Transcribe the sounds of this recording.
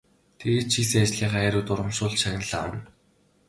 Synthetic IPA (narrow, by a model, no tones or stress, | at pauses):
t̪ʰeɣeːt̪̚t͡ɕʰiːsːat͡ɕ̆ɮiːɢæːɾʲuːt̪ʊɾə̆mʃʊːɮʃaɣʲnə̆ɮa̰ːwə̆n